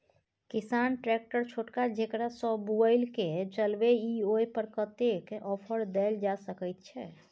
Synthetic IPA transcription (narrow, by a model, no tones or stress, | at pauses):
kisanʈɾɛk̚ʈəɾt͡ʃʰoʈkad͡ʒekɾasɔ̃buəɪlket͡ʃəlbeiojpəɾkət̪ekɔpʰəɾd̪ɛld͡ʒasəkəjt̪̚t͡ʃʰɛ